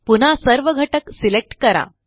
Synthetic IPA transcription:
pun̤asəɾʋəɡʱəʈəksilek̚ʈkəɾa̰

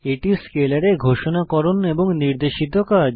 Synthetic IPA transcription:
eʈiskelaɾeɡʱoʃonakɔɾoneboŋniɾd̪eʃid̪oka

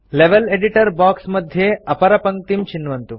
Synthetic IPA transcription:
leʋeleɽiʈəɾbaːksməd̪ʱːjeɐpɐɾɐpɐŋkt̪imt͡ɕinːʋɐnt̪u

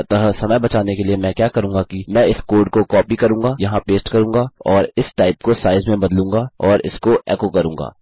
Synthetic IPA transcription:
t̪ɐɦsɐməjbɐt͡ʃaːnekeliemɛ̃kjaːkɐɾũːŋɡakimɛ̃ɪskoːɾɖkokɔːpikɐɾũːɡaːjɐɦãpeːsʈkɐɾũːŋɡaːɔːɾɪsʈaːɪp̚kosaːɪzmẽbɐd̪lũːŋɡaɔːɾɪ̰skoɛ̰ːkokɐɾũːŋɡa̰ː

